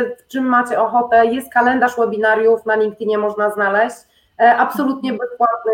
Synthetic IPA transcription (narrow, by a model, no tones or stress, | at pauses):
ft͡ʂɘmːat͡ɕɛɔxɔt̪ɛjɛst̪̚kalɛnd̪aʂwɛbʲinaɾjufnalʲiŋk̚t̪ɘɲɛmɔʐnaznalɛɕt͡ɕ | ʔapsɔlut̪ɲɛbɛspwat̪̚nɘ